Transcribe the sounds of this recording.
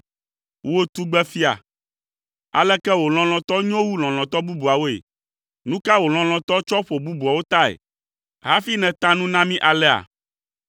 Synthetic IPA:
wo˦t̪u˦ɡ͡bɛ˦fi˦a̰˨ | a̰˨lɛ˦kɛ˦wo˨l̃ɔ̃˦l̃ɔ̃˨t̪ɔ˦ɲɔ̃˦wu˦l̃ɔ̃˨l̃ɔ̃˨t̪ɔ˦bu˦bu˨a˨wo˦ḛ˨ | nũ˦ka˦wo˨l̃ɔ̃˨l̃ɔ̃˨t̪ɔ˦t͡ʃɔ˦ɸo˨bu˦bu˨a˨wo˦t̪a˦ḛ˨ | ɦa˦fi˦nɛ̃˨t̪a˦nũ˦nã˦mĩ˦ʔa˨lɛ˦a̰˨

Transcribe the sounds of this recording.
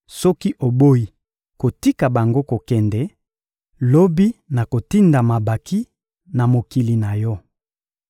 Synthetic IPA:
sɔ˦ki˦ʔo˨bo˦i˨ | ko˨ti˦ka˨ba˨ŋɡo˦ko˨kɛ˨ndɛ˨ | lo˦bi˦na˨ko˨ti˦nda˨ma˨ba˨ki˦ | na˨mo˨ki˨li˨na˨jɔ˦

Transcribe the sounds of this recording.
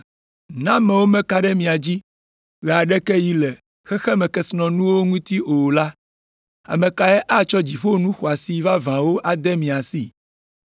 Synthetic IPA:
nã˦mɛ̃˨wo˦mɛ̃˦ka˨ɖɛ˦mĩ˨a˨d͡ʑi˦ | ɣɛ˨a˨ɖɛ˦kɛ˦ji˦lɛ˨ | xɛ˦xɛ˦mɛ̃˨kɛ˦snɔ̃˨nũ˦wo˦ŋũ˦t̪i˦ʔo˨la˦ | a̰˨mɛ̃˨ka˨ɛ˦ʔa˦t͡ʃɔ˦d͡ʑi˨ɸo˦nũ˦xɔ˨a˨si˦va˦vã˨wo˦ʔa˨d̪ɛ˦mĩ˨a˨si˦

